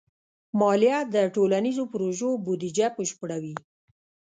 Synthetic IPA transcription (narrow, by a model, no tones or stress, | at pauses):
mɑljɑd̪əʈolanizopɾoʒobud̪id͡ʒapəʃpəɽawi